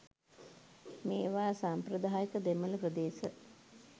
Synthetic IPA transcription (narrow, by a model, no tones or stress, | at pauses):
meːʋaːsamprəd̪aːjəkəd̪emələprəd̪eːsə